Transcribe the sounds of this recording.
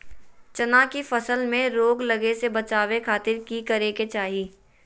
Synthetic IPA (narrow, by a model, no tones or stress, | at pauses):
t͡ʃɐnakifɐsəlmẽɾoːɡlɐɡesebɐt͡ʃaːwekʰaːt̪ɪɾkikɐɾeːket͡ʃaːɦiː